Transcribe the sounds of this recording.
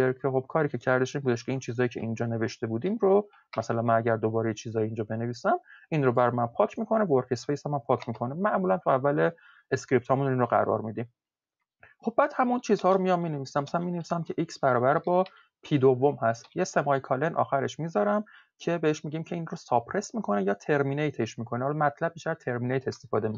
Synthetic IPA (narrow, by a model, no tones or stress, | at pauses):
eɾcʰexo̞b̥̚kʰɒːɾiːcʰe̞cʰæɾd̪e̞ʃimbuːd̪eʃkcʰeint͡ʃʰiːzɒːjiːcʰe̞ʔind͡ʒɒːne̞ve̞ʃt̪e̞buːd̪iːmɾo | mæsælænmænæɟæɾd̪o̞bɒːɾejet͡ʃʰiːzɒːjiind͡ʒɒːbe̞ne̞viːsæminɾobæɾjmænpʰɒːcʰmiːkʰo̞nevoɾkʰe̞spejsæmæmpʰɒːcʰmikʰo̞nemæʔmulænt̪ʰuævːæle | eskɾip̚t̪hɒːmunninroɣæ̰ɾɒ̰ɾmid̪im | χo̞b̚ːæːd̪̥hæmunt͡ʃʰiːzhɒːɾomijɒmːiːne̞viːsæmæsænmiːne̞visæmcʰe̞ʔiksbæɾɒːbæɾbɒː | pʰiːd̪ovːo̞mhæst̪jese̞mɒjkʰɒle̞nʔɒ̰ːxæɾe̞ʃmiːzɒɾæm | cʰe̞beheʃmiɟimcʰeinrosɒpʰɾe̞smiːkʰo̞nejɒːt̪ʰe̞ɾminejt̪ʰeʃmiːkʰo̞nehɒlɒmæt̪ʰlæb̚biːʃt̪æɾt̪ʰe̞ɾminejt̪ʰe̞st̪e̞fɒːd̪e̞mik